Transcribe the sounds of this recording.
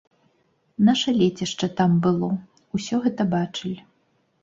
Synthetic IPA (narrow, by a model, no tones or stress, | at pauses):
naʂɐlʲɛt͡sʲɛʂt͡ʂɐt̪ambɨlˠɔ | usʲɔɣɛt̪ɐbat͡ʂɨlʲ